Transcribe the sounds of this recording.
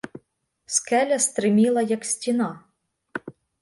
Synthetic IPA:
skɛlʲɐst̪ɾɪmʲilˠɐjɐksʲtʲinɑ

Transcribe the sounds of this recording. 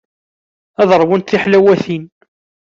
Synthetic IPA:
æðəɾˤwənt̪θiħlæwæθin

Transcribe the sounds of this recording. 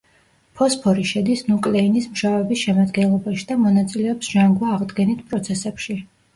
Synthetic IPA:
pʰɔspʰɔɾiʃɛd̪isnukʼlɛinismʃavɛbisʃɛmad̪ɡɛnlˠɔbaʃid̪amɔnat̪sʼilɛɔpsʒ̥aŋɡwaːʁd̪ɡɛnit̪ʰpʼɾɔt̪sʰɛsɛpʃi

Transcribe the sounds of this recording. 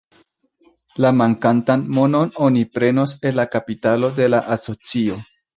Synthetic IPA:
lamaŋkantanmo̞no̞nonipɾe̞no̞se̞nlːakapitalo̞de̞laʔaso̞t͡sio̞

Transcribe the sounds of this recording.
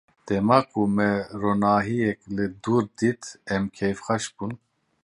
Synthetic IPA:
d̪̥ɛmaːkʰumɛronaːɦijɛklɨd̪uɾd̪it̪ɛmkʰɛjfχaʃb̥un

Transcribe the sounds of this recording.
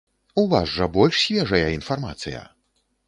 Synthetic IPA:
uvaʐːɐbɔlʲʂsʲvʲɛʐɐjɐinfarma̰t̪sɨjɐ̰

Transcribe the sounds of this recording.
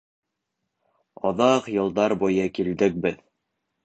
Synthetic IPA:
ɑðɑqjɤ̆lˠd̪ɑɾbujɤkild̪ɘk̚bɘð

